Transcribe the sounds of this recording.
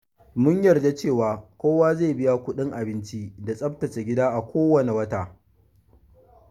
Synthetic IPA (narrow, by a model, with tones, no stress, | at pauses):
mʊ˦ɲjɐ˨rda˦t͡ʃeː˦˨waː˨kʷoː˦waː˦zeː˦˨bɪ˦ja˦kʷʊ˦ɗɪ˦ŋʔa˨bɪ˦nt͡ʃi˦da˨sʼɐ˦b̚tɐ˨t͡ʃe˨ɡʲɪ˦daː˦ʔa˨kʷoː˦wɐ˦ne˨wɐ˦taː˨